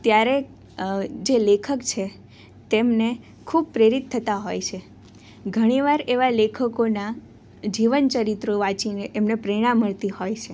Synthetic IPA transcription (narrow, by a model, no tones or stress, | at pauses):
t̪jaɾe | d͡ʒelekʰəkt͡ʃʰe | t̪emne | kʰub̚pɾeɾit̪ʰːət̪aɦojt͡ʃʰe | ɡʱəɽ̃iʋaɾeʋalekʰəkona | d͡ʒiʋənt͡ʃəɾit̪ɾoʋãt͡ʃineʔemnepɾiɽ̃ãmːəɭt̪ihojt͡ʃʰe